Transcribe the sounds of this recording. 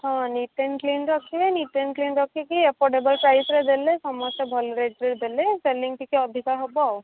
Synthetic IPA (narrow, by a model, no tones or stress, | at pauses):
ɦãniʈeɳklinɾɔkʰːiʋeniʈenklinɾəkʰekiepɔɾɖebəlpɾajsɾed̪elesɔmɔsebʱɔlɾeɖɾeɾd̪eleseliŋɡʈikeɔd̪ʱikaɾɦɔbaw